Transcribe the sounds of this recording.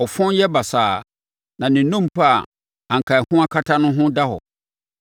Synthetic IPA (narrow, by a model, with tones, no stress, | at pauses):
ɔ˨fɔ̃˦njɛ˦ba˨saː˨ | nã˨nɪ̃˨nũ˦m˨pʰa˦a˨ | ã˨ŋ̩˨kʰa˨hʊ̃˦a˦kʰa˦tʰa˦nʊ̃˦ɦʊ̃˦da˦hɔ̰˨